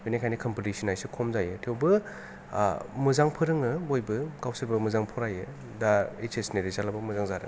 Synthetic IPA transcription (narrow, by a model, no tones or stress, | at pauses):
benikʰajnikʰɔmpotisinajsɯkʰɔmzajɯtʰewbɯ | mɯzaŋpʰɯɾɯŋɯbojbɯkawsʰɯɾbɯmɯzaŋpʰɔɾajɯ | daet͡ʃesneɾizalabɯmɯzaŋzaɾɯ̰ŋ